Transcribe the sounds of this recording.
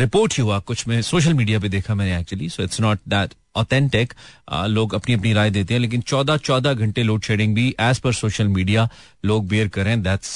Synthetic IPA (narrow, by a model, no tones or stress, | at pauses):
ɾɪpoːɾʈiɦuakʊt͡ʃʰmẽsoːʃ̬əlmiːɖijap̬ed̪eːkʰamɛ̃ːneæːk̚t͡ʃuəlisoːɪʈsnɔːʈ̚d̪ɛʈ | ɔːt̪ʰɛ̃ɳʈɪkloːɡɐpniɐpniɾaːjd̪eːt̪ẽɦɛ̃leːk̬ɪ̃nt͡ʃɔːd̪at͡ʃɔːd̪aɡʱɐ̃ɳʈeloːʈʃeːɖɪ̃ŋɡbʱiʔɛːzfəɾsoːʃəlmiːɖija | loːɡ̚beːəɾkɐɾeẽd̪æʈs